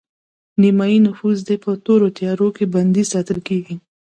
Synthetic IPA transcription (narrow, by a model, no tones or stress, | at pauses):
nimɑinʊfuzd̪epət̪oɾot̪jɑɾokeband̪izsɑt̪əlkeɡi